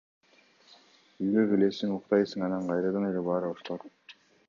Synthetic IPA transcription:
yjɡøɡelesiŋuqt̪ɑjsɯŋɑnɑɴqɑjɾɑd̪ɑnelebɑːɾoʃt̪oɾ

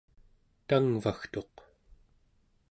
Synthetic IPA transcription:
t̪aŋvaxt̪o̞q

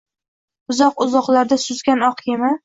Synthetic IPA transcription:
ʊzɒqʊzɒqlˠaɾd̪asʊzɡʲanɒqjema

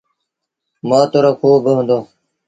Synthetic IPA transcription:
maːt̪oɾokʰuːbəɦnd̪oː

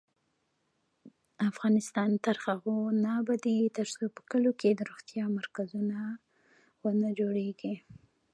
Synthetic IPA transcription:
afɣɑnɪst̪ɑnt̪aɾxaɣonabad̪it̪əɾsopə̥kəlokʰed̪əɾoxt̪jɑmaɾkazuna | wənad͡ʒoɽeɡi

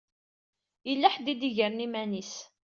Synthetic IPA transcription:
jəlːæħd̪id̪iʝəɾnimænis

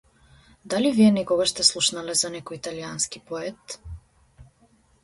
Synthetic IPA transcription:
d̪aliviɛnɛkɔɡaʃst̪ɛslˠuʃnalɛzanɛkɔjit̪alianskipɔɛt̪

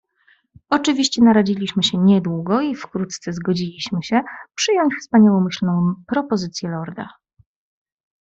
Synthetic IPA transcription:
ɔt͡ʂɘvʲiɕt͡ɕɛnaɾad͡ʑilʲiɕmɘɕɛɲɛd̪wuɡɔifkɾut̪t̪sɛzɡɔd͡ʑilʲiɕmɘɕɛpʂɘjɔɲt͡ɕfspaɲawɔmɘɕlnɔ̃w̃pɾɔpɔzɘt̪sʲjɛlɔɾd̪a̰

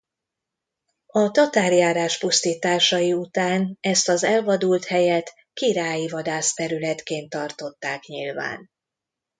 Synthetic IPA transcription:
ɒt̪ɒt̪aːrjaːɾaːʃpust̪iːt̪aːʃɒjiut̪aːnɛst̪ɒzɛlvɒd̪ult̪hɛjɛt̪ | kiɾaːjivɒd̪aːst̪ɛɾylɛt̪keːnt̪ɒrt̪o̞t̪ːaːkɲḭlva̰ːn

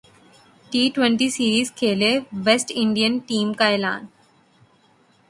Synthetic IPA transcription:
ʈiːʈʋẽɳʈiːsiːɾiːzkʰeːleʋesʈɪ̃ɳɖijənʈiːmkaelã̰ːn

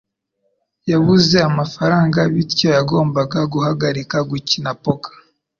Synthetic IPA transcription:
jaβuze̞amafaɾaːŋɡaβiɾco̞jaɡo̞ːmbaɡaɡuhaɡaɾikaɡucinapo̞kḁ

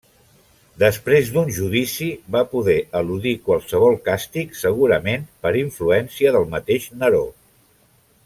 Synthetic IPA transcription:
d̪əspɾezd̪unʒuðisiβapuðɛʔəluðikwəlˠsəβ̞ɔlˠkast̪iksəɣ̞uɾəmenpəɾiɱfluɛnsiəðəlˠmət̪eʃnəɾo

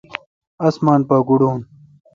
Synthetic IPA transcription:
ɐsmaːnpaːɡuɽuːn

